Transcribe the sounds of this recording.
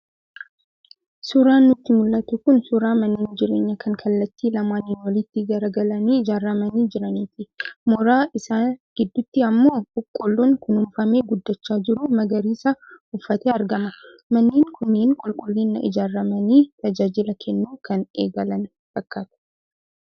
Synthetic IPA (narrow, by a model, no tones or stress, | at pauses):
sʊɾaːnːʊt̪ːɪmʊlːɐt̪ʊkʊnsʊɾaːmɐnːiːnd͡ʒɪɾe̞ːɲːɐkʰɐŋkʰɐlːɐt̪ːiːlɐmaːniːnwɐlɪt̪ːɪɡɐɾɐɡɐlɐniːɪd͡ʒaːrːɐmɐniːd͡ʒɪɾɐniːt̪ɪmɔɾaːʔɪsaːɡ̥ɪd̪ːʊt̪ːɪɐmːo̞ːkʊkʼːʊlːuŋkʊnʊmfɐmeːɡʊd̪ːɐt͡ʃːaːd͡ʒɪɾumɐɡɐɾiːsɐʊfːɐt̪eːɐɾɡɐmɐ | mɐnːiːŋkʰʊnːeːŋkʼʊlkʼʊlːinːɐʔɪ̰d͡ʒaːrːɐmɐniːt̪ɐd͡ʒaːd͡ʒɪlɐkʰɛnːuːkɐneːɡɐlɐn | fɐkːaːt̪ʊ̥